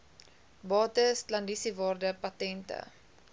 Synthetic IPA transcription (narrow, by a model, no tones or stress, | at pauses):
bɑːtəstlɐndisivɑːrdəpɐtɛntə̰